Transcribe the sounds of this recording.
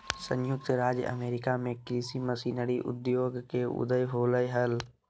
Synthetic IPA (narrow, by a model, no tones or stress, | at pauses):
sə̃njʊk̚t̪ɾaːd͡ʒjə̰meːɾɪkamẽkɾisiməsiːnəɾiʔʊ̰d̪joːɡkeʊ̰d̪əjɦoːləjɦəl